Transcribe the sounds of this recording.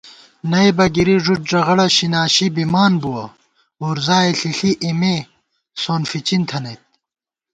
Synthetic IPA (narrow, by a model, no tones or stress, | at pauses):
nɐjbɐɡiɾiʐuʈ̚ʐɐʁɐɽɐɕinaːɕibimaːnbuwɐ | oːɾzaːiɬiɬiʔime | soːnfit͡ɕint̪ʰɐnɐt̪̚